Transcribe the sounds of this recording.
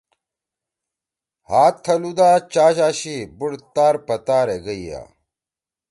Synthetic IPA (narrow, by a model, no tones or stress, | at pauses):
haːt̪ʰːɐlud̪aːt͡ɕaːɕaːɕibuɽt̪aːɾpɐt̪aːɾeɡɐija̰ː